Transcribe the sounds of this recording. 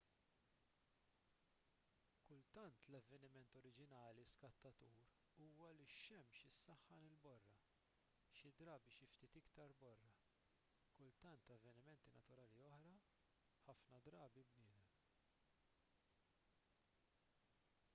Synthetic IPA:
kʊlt̪ɐnt̪lɐvːɛnɪmɛnt̪ɔɾɪd͡ʒɪnɐːliskɐt̪ːɐt̪uːɾ | uːwɐlɪʃɛmʃɪsːɐħːɐnɪlbɔrːɐ | ʃɪd̪ɾɐːbiʃɪft̪iːt̪ɪkt̪ɐɾbɔrːɐ | kʊlt̪ɐnt̪ɐvːɛnɪmɛnt̪inɐt̪ʊɾɐːliɔħɾɐ | ħɐfnɐd̪ɾɐːbibnɪːd̪ɛm

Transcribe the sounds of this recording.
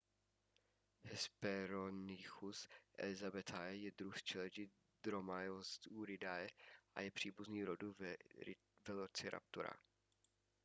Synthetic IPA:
hɛspɛɾonɪxusʔɛ̰lɪzabɛt̪ʰaɛjɛd̪ɾust͡ʃɛlɛd͡ʒɪ | d̪ɾomajost̪uɾɪd̪ajɛʔa̰jɛpr̥iːbuzniːɾodu | vɛlot͡sɪɾʔa̰p̚t̪uɾa̰

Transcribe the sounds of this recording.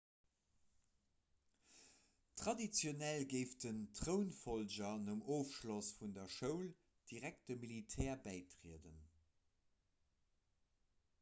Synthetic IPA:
tχɑdit͡sjonælɡeɪftəntʁəʊnfolʑɐnəmoːfʃlosfundɐʃəʊl | d̥iʁæk̚t̚dəmilitʰɛːɐbæɪtʁiədən

